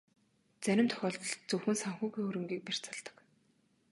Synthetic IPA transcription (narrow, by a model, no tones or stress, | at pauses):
t͡sæɾʲɪ̆mt̪ʰɔ̥xʲɔːɮt̪ɞ̆ɮt͡sɵwxɘ̆nsaŋxuːɣiːɵɾɘ̆ŋɡiːk̚per̥t͡sə̆ɮt̪ə̥̆k